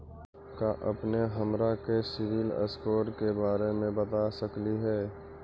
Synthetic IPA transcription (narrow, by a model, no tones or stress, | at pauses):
kaʔɐ̰pneɦəmɾakesɪʋɪlə̰skoːʈkebaːɾemẽbət̪asəkliɦɛː